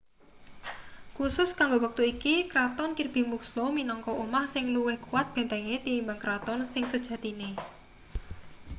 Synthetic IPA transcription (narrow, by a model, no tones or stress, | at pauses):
kusʊskaŋɡowək̚t̪uikikɾat̪ɔnkirb̥i̤mukslɔminɔŋkɔʔumahsɪŋluwɪhkuwat̪̚b̥ɛ̤nt̪ɛŋet̪inimbaŋkɾat̪ɔnsɪŋsəd̥ʒ̥ä̤t̪ine